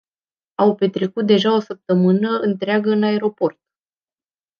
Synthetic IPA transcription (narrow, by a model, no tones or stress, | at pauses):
awpe̞t̪ɾekut̪̚d̪e̞ʒao̞səp̚t̪əmɨnəɨnt̪ɾeaɡəɨnae̞ɾo̞po̞rt̪̚